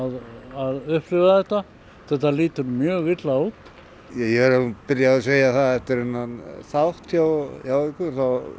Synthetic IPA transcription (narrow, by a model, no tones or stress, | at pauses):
ðaðʏhplʏvaθɛht̪a | θɛht̪ːaliːt̪ʏɾmjœːɣvɪt̪lauːt̪ | jɛjɛɛɾapɪɾjaðaseːjaθaðɛft̪ɪɾenːanθawht̪jawjawɪkʏɾ̥θaw